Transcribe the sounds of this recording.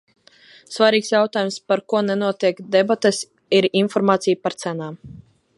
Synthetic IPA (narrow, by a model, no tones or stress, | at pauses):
svaɾʲiːksjawt̪aːjumspaɾkuɔnɛnuɔt̪iɛkd̪ɛbat̪es | iɾinfɔɾmaːt̪sijpaɾt̪sænaːm